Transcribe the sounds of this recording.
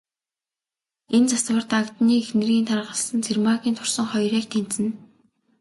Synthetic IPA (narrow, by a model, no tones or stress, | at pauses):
ent͡saswə̆rt̪akt̪niːexnɘ̆rɣiːnt̪ʰarʁə̆ɮsə̆nt͡sʰermaxʲiːnt̪ʰʊ̥rsə̆ŋχɔjrʲiːkt̪ʰen̥t͡sɘ̆n